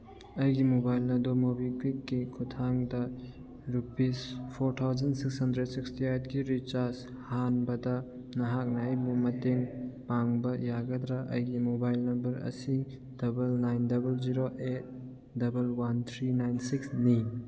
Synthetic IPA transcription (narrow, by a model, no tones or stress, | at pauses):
ɐjɡimobajlnɐdɔmobiklikːikʰutʰaŋdɐ | ɾupispʰoɾtʰawzɐnsikshɐndɾedsikstiajt̚ɡiɾit͡ʃaɾs | hanbɐdɐ | nɐɦak̚naajbumɐteŋpaŋbɐjaɡɐd̪ɾaʔɐ̰jɡimobajlnɐmbɐɾɐ̰si | dɐbɐlnajndɐbɐld͡ʒiɾoʔet̚ | dɐbelwant̪ʰɾinajnsiksni